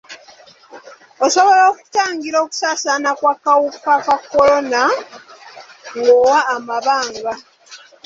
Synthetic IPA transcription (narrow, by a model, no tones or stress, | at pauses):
o̞so̞βo̞ɾoːku̥taːŋɡiɾo̞ːku̥saːsanakwakawukːakakːo̞lo̞na | ŋɡowaːmaβaːŋɡa